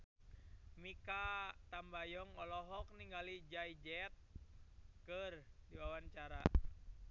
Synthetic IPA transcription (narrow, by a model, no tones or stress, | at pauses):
mikat̪ambajɔŋɔlɔɦɔk̚niŋɡalid͡ʒaid͡ʒɛt̪̚ | kərdiwawant͡ʃaɾa